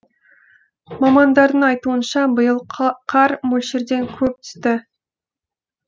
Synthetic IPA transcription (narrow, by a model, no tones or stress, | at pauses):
mɑmɑnd̪ɑɾd̪əɴɑjt̪uənʃɑbəjəlˠqʰɑɾmɵlʲʃeɾd̪e̞ŋkʲʰɵp̚t̪ʰʏ̥st̪ɪ